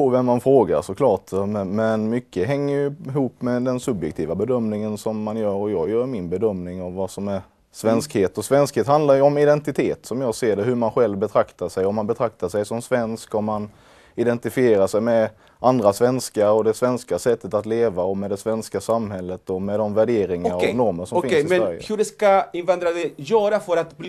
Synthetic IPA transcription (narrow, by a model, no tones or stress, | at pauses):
povɛmːanfɾoːɡa̰ɾʂɔkʰlɑːʈmɛnmʏkːəɦɛŋːəjɵɪɦuːpːmɛd̪ɛnsɵbjɛkt̪ʰiːvabɛd̪œmnɪŋənsɔmːanjœːɾɔjɑːɡjœːɾmɪnbɛd̪œmnɪŋavːasɔmæɾ | svɛnskheːt̪ɔsvɛnskheːt̪hand̪laɾjɵɔmɪd̪ɛnt̪ɪt̪ʰeːt̪sɔmjɑːɡseːɾɖɛɦɵmanɧɛlvbɛt̪ʰɾakt̪aʂɛjɔmːanbɛt̪ʰɾak̚t̪aʂɛjsɔmsvɛnskɔmːan | ɪd̪ɛnt̪ɪfɪeːɾaʂɛjmɛ | and̪ɾasvɛnskaɔd̪ɛsvɛnskasɛt̪ːət̪at̪leːvaɔmɛd̪ɛsvɛnskasamːɦɛlːət̪ɔmɛd̪ɔmvæɖeːɾɪŋaɾanɔɾməʂɔmfɪnɪɛæɾjəhɵɖɛskaɪnvand̪ɾad̪ɛjœːɾafœɾat̪b